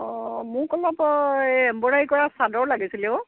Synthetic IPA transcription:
ɔmʊɹkɔlɔpɔɛmbɔɹajikɔɹasadɔɹlaɡisilɛʊ

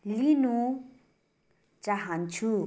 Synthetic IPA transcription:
linu | t͡saɦant͡sʰu

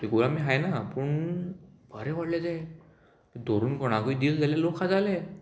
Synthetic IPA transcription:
t̪iɡuɭamiɦajnapəɳ | bʱəɾẽʋaɽlad͡za | t̪əd̪ʱoɾuːnkoɽ̃akəid̪iːld͡zaljalokʰad͡zale

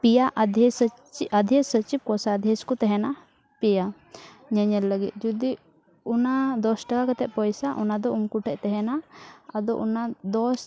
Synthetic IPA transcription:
pijaʔad̪ʱɛsə | t͡ʃiʔad̪ʱjɛsət͡ʃib̚kɔsaːd̪ʱjɛskɔt̪ɛɦɛna | pija | ɲɛɲɛlːəɡit̪̚ˀd͡ʒud̪i | unad̪ɔsʈakakat̪ɛʔ̪̚pɔjsaʔɔnad̪ɔumkuʈʰɛʔt̪ɛɦɛnaːd̪ɔʔɔnad̪ɔs

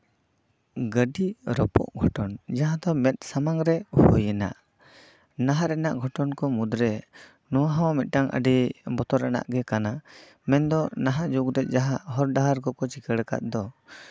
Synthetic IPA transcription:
ɡəɖiɾɔpɔ̰ʔɡʱɔʈɔnd͡ʒaɦãd̪ɔmɛt̪̚ˀsamaŋɾɛhɔ̰jɛna̰ʔ | naɦaɾɛnaʔɡʱɔʈɔnkɔmud̪ɾɛ | nɔwaɦawamɛt̪̚ˀʈaŋʔə̰ɖibɔt̪ɔɾana̰ʔɡɛkana | mɛnd̪ɔnaɦad͡ʒukɾɛt̪̚ˀd͡ʒaɦaʔɦɔɾɖaɦaɾkɔkɔt͡ʃikəɽka̰t̪̚d̪ɔ

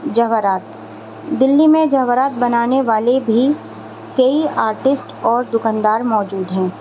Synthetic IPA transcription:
d͡ʒɐɦʋəɾaːt̪ | d̪ɪlːimẽd͡ʒɐɦʋəɾaːt̪̚bɐnaːneʋaːlebʱi | kɐiaːɾʈɪsʈɔːɾd̪ʊkãnd̪aːɾmɔːd͡ʒuːd̪ɦɛ̃ː

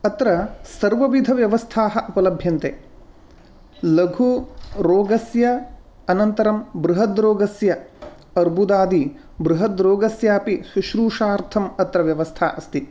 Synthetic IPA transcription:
ɐt̪ɾɐsɐɾʋɐʋid̪ʱɐʋjɐʋɐst̪ʰaːɦɐʔɐpɐlɐbʱjɐnt̪eː | lɐɡʱuɾoːɡɐsjɐ | ɐnɐnt̪ɐɾɐmbɾuɦɐd̪ɾoːɡɐsjɐ | ɐɾbʱud̪aːd̪i | bɾuɦɐd̪ɾoːɡɐsjaːpisuʃɾuːʂaːɾt̪ʰɐmɐt̪ɾɐʋjɐʋɐst̪ʰa̰ːʔɐst̪i

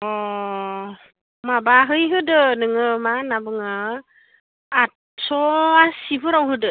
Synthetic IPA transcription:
ɔ | mabaɦɯjɦɯdɯnɯŋɯmanabɯŋɯ | at̚ | sɔasibɯɾawɦɯdɯ

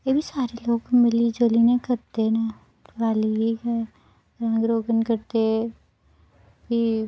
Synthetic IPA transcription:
jebʱisaːɾeloːɡmɪlid͡ʒoːlinekɐɾt̪ena | ʋaːliik | ɾɐ̃ɡɾoːɡənkɐɾt̪e | bʱi

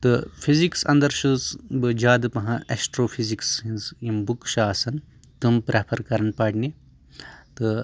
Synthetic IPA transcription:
t̪ɨfʰiziksɐ̰̃nd̪ɐɾʃɨsbɨd͡ʒaːd̪ɨpɐɦãʔɛsʈɾoːfʰiziksĩnzimbukʃaːsɐn | t̪umpɾeːpʰɐɾkɐɾɐnpaːʈne | t̪ɨ

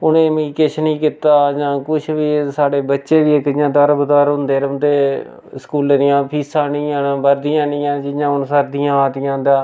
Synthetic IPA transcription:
ʊnẽːmikɪʃʰnĩːkɪt̪aːd͡ʒãːkʊt͡ʃʰʋiːsaːɽeːbətːʃeːd̪ɪekɪjãːd̪əɾbəd̪aːɾɦʊ̃nd̪eːɾʊnd̪eː | skuːld̪ɪjãːpʰiːsãːnĩːãːnãːbəɾd̪ɪjãːnɪ̃ːãːd͡ʒɪjãːʊnsəɾd̪ɪjãːaːt̪ɪjãːd̪ãː

